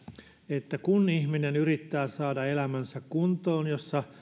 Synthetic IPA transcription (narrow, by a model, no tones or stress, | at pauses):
et̪ːækunihminenyrit̪ːæːsɑːdɑelæmænsækkunt̪oːnjosːɑ